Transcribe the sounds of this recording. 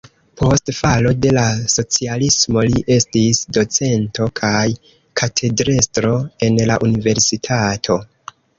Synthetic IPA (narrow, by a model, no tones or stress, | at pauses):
pʰo̞stfalo̞de̞laso̞t͡sialismo̞liʔe̞stisdo̞t͡se̞nto̞kʰaj | kʰatʰe̞dɾestɾo̞e̞nla̰ʔunive̞ɾsitʰatʰo̞